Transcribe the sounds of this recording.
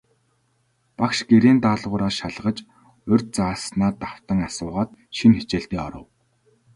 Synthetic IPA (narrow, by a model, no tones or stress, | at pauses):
pakʃɡeɾeːnt̪aːɮʁʊːɾaːʃaɮʁə̆t͡ɕ | ɵrʲt̪̚t͡saːsnaːt̪aw̥t̪ə̆ŋasʊːʁaːt̪̚ʃinxet͡ɕeːɬt̪iːɔɾɞ̆w